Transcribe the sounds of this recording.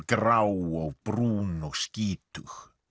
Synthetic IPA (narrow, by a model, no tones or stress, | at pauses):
ɡrawɔwb̥ruːnɔskiːt̪ʰux